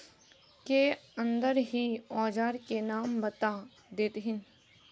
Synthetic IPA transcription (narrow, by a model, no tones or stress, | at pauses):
keə̃nd̪əɾɦiɔːd͡ʒaːɾkenaːmbət̪a | d̪eːt̪ɦɪn